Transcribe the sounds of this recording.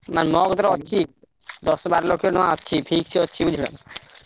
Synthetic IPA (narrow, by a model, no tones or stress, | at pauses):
manmɔɡd̪ɔɾɔtːɕʰi | d̪ɔsɔbaɾlokeonɔaɔtːɕʰipʰik̚t͡ʃʰiɔtːɕʰibud͡ʑʱiben